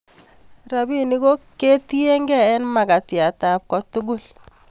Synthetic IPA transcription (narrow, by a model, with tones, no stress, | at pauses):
ɾa˨bi˦ni˦ko˦ke˦ti˦e˦ŋɡɛ˦˨ɛ˦nma˨ɡa˨tja˨ta˨p̚kɔ˦tʊ˦ɡʊ˦˨l